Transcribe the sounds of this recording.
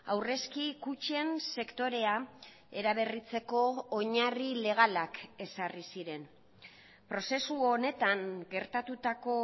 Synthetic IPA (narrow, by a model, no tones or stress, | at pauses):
awre̞skikut͡ʃie̞nse̞kt̪o̞ɾe̞a | e̞ɾaβ̞e̞rit͡se̞ko̞ːɲarile̞ɣ̞alake̞sarisiɾe̞n | pɾo̞se̞suone̞t̪aŋɡe̞ɾt̪at̪ut̪ako̞